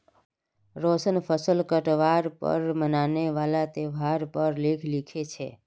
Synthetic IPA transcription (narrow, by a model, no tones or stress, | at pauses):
ɾosənpʰəsəlkəʈʋaɾpə̰ɾmənaneʋalat̪ebʱaɾpəɾlekʰlikʰet͡ʃʰɛ̰